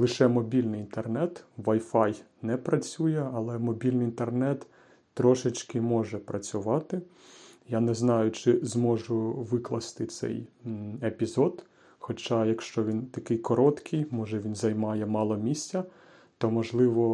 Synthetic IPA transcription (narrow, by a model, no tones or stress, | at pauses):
lˠɪʃɛmɔbʲilʲnɪjint̪ernɛt̪ʋɐjfɑj | nɛpɾɐt͡sʲujɛɐlˠɛmɔbʲilʲnɪjint̪ernɛt̪ː | ɾɔʃɪt͡ʃkɪmɔʒɛpɾɐt͡sʲʊʋɑt̪ɪ | janɛznɑjʊt͡ʃɪzmɔʒʊʋɪklˠɐst̪ɪt̪sɛ̰jepʲizɔd̪ | xɔt͡ʃɑjɐkʃt͡ʃɔʋʲint̪ɐkɪjkɔɾɔt̪kʰɪjmɔʒɛʋʲinzɐjmɑjɛmɑlˠɔmʲisʲt͡sʲɐ | t̪ɔmɔʒlˠɪʋɔ